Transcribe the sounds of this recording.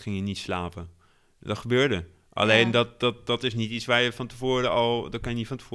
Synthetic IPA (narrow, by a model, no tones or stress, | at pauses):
xɪŋjənitslaːpə | dɔtxəbøːɹdə | ʔa̰leːndɔtdɔt̚dɔtɪsnitit͡ssʋaːjəfɔntəfoːɾəɔlˠdɔt̚kɪnjənifɔntə̥f